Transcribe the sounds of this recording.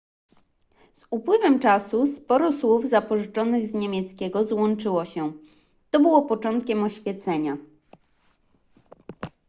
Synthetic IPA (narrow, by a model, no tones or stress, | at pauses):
z̥upwɘvɛmt͡ʂasuspɔɾɔswuvzapɔʐɘt͡ʂɔnɘɣzɲemʲjɛt̪skʲɛɡɔzwɔnt͡ʂɘwɔɕɛ | t̪ɔbɘwɔpɔt͡ʂɔnt̪̚kʲɛmɔɕfʲjɛt̪sɛɲa